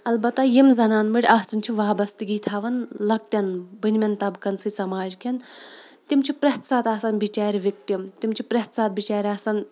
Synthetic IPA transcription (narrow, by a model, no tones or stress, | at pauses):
ɐlbɐt̪ːajimzɐnaːnmɨɽʲaːsɐnʲt͡ʃʰiʋaːbɐst̪iɡit̪ʰaːʋɐnlɐk̚ʈʲɐnbɨnʲmʲɐnt̪ɐbkɐnsɨsɐmaːd͡ʒkʰɐnt̪imt͡ʃʰipɾɐɦt̪saːt̪aːsɐnbit͡ʃaːɾʲiʋʲik̚ʈʲimt̪imt͡ʃʰi̥pɾʲɐt̪saːt̪̚bit͡ʃaːɾʲaːsɐn